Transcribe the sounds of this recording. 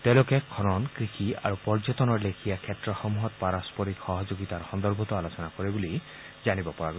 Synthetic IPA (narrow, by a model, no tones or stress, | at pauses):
tɛ̃ʊ̃lʊkɛkʰɔnɔnkɹixia̰ɹupɔɹzɔtɔnɔɹlekʰijakʰɛtɹɔxɔmuɦɔt̚paɹaspɔɹikxɔɦɔzoɡitaɹxɔnd̪ɔɹbʱɔtɔalosɔnakoɹɛbuli | zanibɔpɔɹaɡ